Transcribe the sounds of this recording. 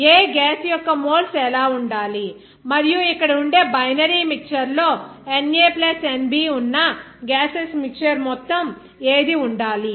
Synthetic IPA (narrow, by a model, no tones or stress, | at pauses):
eːɡaːsjɔkːɐmoːlsɛlaːuɳɖaːli | mɐɾijuikːɐɽɐuɳɖe̞ːbɐjnɐɾiːmik̚t͡ʃɐɾlo̞ːeneːplɐsenbiːunːɐ | ɡaːsesmik̚t͡ʃɐɾmɔt̪ːɐm | eːd̪iuɳɖaːli